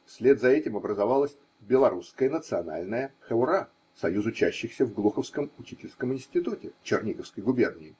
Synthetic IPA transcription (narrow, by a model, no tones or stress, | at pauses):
fsʲlʲe̞t̪zɐɛtʲɪmɐbɾəzɐvalˠəsʲ | bʲɪlˠɐɾuskəjənət̪sɨɐna̰lʲnəjəxəʊɾa | sɐjuzʊt͡ɕæɕːɪxsʲəvɡlˠuxəfskəmʊt͡ɕitʲɪlʲskəmɪnsʲtʲɪt̪utʲɪt͡ɕɪrnʲikəfskəjɡʊbʲe̞rnʲɪɪ